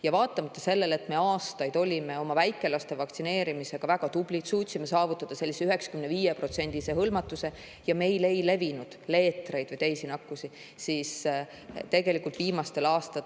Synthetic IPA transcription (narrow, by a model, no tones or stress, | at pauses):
jɑvɑːt̪ˑːɑmɑt̪ˑːɑse̞lːe̞le̞t̪me̞ɑːst̪ɑjd̪̥o̞lʲime̞o̞mɑvæjkːˑe̞lɑst̪e̞vɑkt̪sine̞ːɾimise̞ɡ̥ɑvæɡ̥ɑt̪ub̥lit̪suːt̪ʲsimːesɑːvut̪ːˑɑd̪̥ɑse̞lʲːiseyɦe̞ksɑ̥kymne̞viːjepro̞t̪se̞nʲd̪̥ise̞ɦɤlmɑt̪ːˑuse̞ | jɑme̞jlejle̞vinud̪̥le̞ːt̪ˑre̞jd̪vɨjt̪e̞jsinɑkːˑusi | siːs | t̪e̞ɡe̞likːˑult̪viːmɑst̪e̞lɑːst̪ɑ